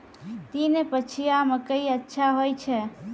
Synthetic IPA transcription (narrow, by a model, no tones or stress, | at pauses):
t̪inepət͡ʃʰijamekəiətːʃʰaɦojt͡ʃʰɛ